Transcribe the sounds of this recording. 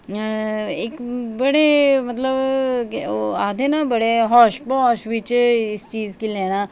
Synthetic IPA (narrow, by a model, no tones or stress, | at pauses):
ekbɐɽemɐt̪ləb | oaːd̪ʱenabɐɽeɦɔːʃbɔʃʋɪt͡ʃɪst͡ʃiːzkileːna